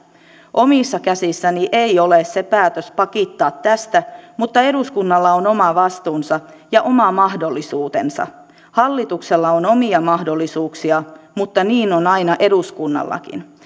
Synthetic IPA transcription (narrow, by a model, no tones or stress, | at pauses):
ʔo̞misːɑkæsisːæniʔeiolessepæːt̪øspɑkit̪ːɑːt̪tæst̪æmut̪ːɑe̞ɾuskunːɑlːɑono̞mɑʋɑst̪uːnsɑ | jɑʔo̞mɑmɑhdolːisuːt̪ensɑ̰ | hɑlːit̪ukselːɑono̞miɑmɑhdolːisuːksiɑmut̪ːɑniːnonɑinɑʔe̞ɾuskunːɑ̰lːɑ̰kḭn